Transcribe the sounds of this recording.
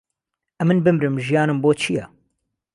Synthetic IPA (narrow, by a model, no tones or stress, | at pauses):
ʔɛmɨnbɨmɾɨmʒijɑːnɨmboːt͡ʃʰijɛ